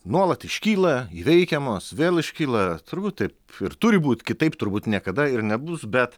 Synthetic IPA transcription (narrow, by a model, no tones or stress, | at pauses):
nuɔlˠɐt̪ɪʃʲkʲiːlˠɐiːʋʲɛɪkʲɛmoːsʋʲeːlˠɪʃʲkʲiːlˠɐt̪ʊɾbuːt̪̚t̪ʲɐɪpɪɾt̪ʊɾʲɪbuːt̪ʲkʲɪt̪ɐɪpt̪ʊɾbuːt̪nʲiɛkɐd̪ɐɪɾnʲɛbʊsbʲɛt̪